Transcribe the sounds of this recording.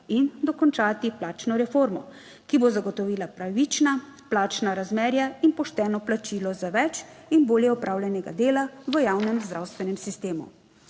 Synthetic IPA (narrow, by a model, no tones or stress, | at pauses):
ind̪ɔkɔnt͡ʃaːt̪iplaːt͡ʃnɔɾɛfoːɾmɔ̰ | kibozaɡɔt̪ɔʋiːlapɾaʋit͡ʃna | plaːt͡ʃnaɾazmɛːɾjainpɔʃt̪ɛːnɔplat͡ʃilɔzaʋɛt͡ʃinboːljɛɔpɾaːwlʲjɛnɛɡa̰d̪eːlaʋəjawnɛmzd̪ɾawst̪ʋɛnɛmsist̪eːmṵ